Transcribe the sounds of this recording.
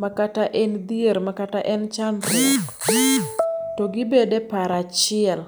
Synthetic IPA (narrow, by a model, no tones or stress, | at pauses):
makataʔɛnd̪ieɾmakataʔɛnt͡ʃanɾuɡ | toɡɪbedepaɾat͡ʃɪɛl